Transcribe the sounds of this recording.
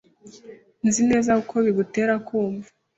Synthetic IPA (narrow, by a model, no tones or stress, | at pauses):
nzine̞ːzaukʰo̞βiɡute̞ːɾakʰuːɱvu